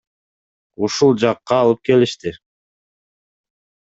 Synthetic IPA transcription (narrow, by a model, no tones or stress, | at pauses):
uʃulˠd͡ʒɑqːɑːlˠɯp̚ke̞liʃt̪ɪ